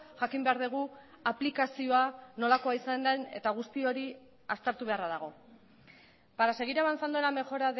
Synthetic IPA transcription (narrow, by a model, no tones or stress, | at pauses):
ʝakimbe̞aɾðeɣ̞u | aplikasio̞ano̞lako̞aisand̪ane̞̰t̪aɣ̞ust̪io̞ɾi | ast̪eɾt̪uβe̞araðaɣ̞o̞ | paɾase̞ɣiɾaβansand̪ue̞lame̞ʝo̞ɾað